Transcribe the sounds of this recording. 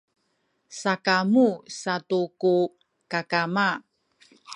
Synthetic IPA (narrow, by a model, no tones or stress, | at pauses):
sakamusatuku | kakama